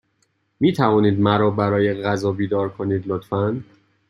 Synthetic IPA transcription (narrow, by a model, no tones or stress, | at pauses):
miːt̪ʰævɒːniːd̪mæɾɒːbæɾɒːjeɣæzɒːbiːd̪ɒːɾkʰo̞niːd̪lot̪fæn